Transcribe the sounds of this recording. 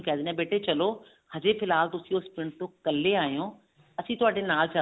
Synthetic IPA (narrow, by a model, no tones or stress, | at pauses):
kʰaːd̪inɛ̃beːʈet͡ɕɐlo | hɐd͡ʑefɪlaːlt̪ʊsiospɪɳʈokɐleaːɦijõː | ɐsĩːt̪ʊʋaːd͡ʑenaːlt͡ɕa